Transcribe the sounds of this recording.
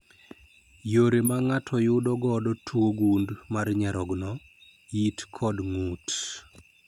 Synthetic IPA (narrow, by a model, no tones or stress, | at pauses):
joɾemaŋatʰɔjʊdɔɡɔdɔtʰwoɡundmarɲaɾɔɡnɔ | jitkʰɔdŋut